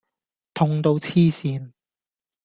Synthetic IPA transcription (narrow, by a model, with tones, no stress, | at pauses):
t̪ʰʊ˧ŋt̪o˧wt͡sʰiː˥siː˨˧n